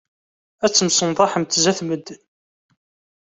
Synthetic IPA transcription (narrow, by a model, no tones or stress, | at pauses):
æt͡sːəmsənðˤɑħəmt̪zæθməd̪ː